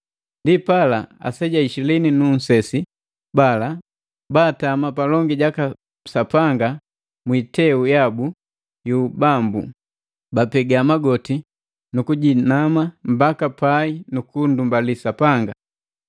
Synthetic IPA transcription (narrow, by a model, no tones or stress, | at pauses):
ndipalaa̰sɛɟaiʃilɛninun̩sɛsi | bala | baːtamapalɔŋɡiɟaka | sapaŋɡa | mwitɛujabu | jubambṵ | bapɛɡamaɡɔti | nukuɟinamam̩bakapainukundumbalisapaŋɡa